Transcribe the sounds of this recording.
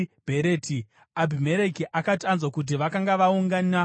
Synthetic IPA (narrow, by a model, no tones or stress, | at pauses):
b̥ʱeɾeːti | abʱime̞ɾekiʔakatanzwakut̬iʋakaŋɡaʋauŋɡana